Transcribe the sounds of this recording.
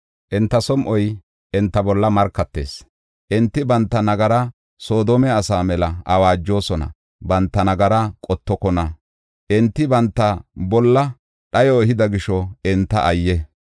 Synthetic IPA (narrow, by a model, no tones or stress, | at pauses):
ʔɪnt̪ːɐsɔmʔɔj | ʔɪnt̪ːɐbɔlːɐmɐɾkːɐt̪ːḛːs | ʔɪnt̪ːɪbɐnt̪ːɐnɐɡɐɾɐ | so̞ːd̪oːmɛɐsaːmɛlɐɐwaːd͡ʒːo̞ːsɔnɐ̰ | bɐnt̪ːɐnɐɡɐɾɐkʼɔt̪ːɔkɔnɐ | ʔɪnt̪ːɪbɐnt̪ːɐbɔlːɐ | ɗɐjɔɛhɪd̪ɐɡɪʃɔɪnt̪ːɐʔɐjːɛ